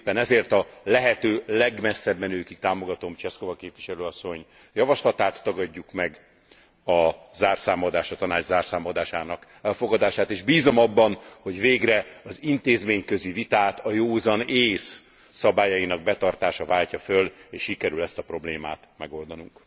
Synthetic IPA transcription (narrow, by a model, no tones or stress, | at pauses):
pːɛnɛzeːrt̪ɒlɛɦɛt̪øːlɛɡmɛsːɛbmɛnøːkik̚t̪aːmo̞ɡɒt̪o̞mt͡ʃɛsko̞vɒkeːpʋiʃɛløːɒsːo̞ɲ | jɒvɒʃlɒt̪aːt̪ːɒɡɒɟːukmɛɡ | ɒzaːrsaːmod̪aːʃɒt̪ɒnaːd͡ʒzaːrsaːmod̪aːʃaːnɒk | ɛlfo̞ɡɒd̪aːʃaːt̪eːʒbiːzo̞mɒbːɒnho̞ɟveːɡrɛɒzint̪eːzmeːɲkø̞zivit̪aːt̪ɒjoːzɒneːsː | ɒbaːjɒjinɒɡ̚bɛt̪ɒrt̪aːʃɒvaːlcɒføleːʃʃikɛɾylɛst̪ɒpro̞bleːma̰ːt̪mɛɡo̞ld̪ɒnuŋk